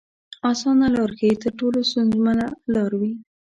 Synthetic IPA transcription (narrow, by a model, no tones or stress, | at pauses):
ɑsɑnalɑɾkat̪əɾʈolost̪unzmanalɑɾwi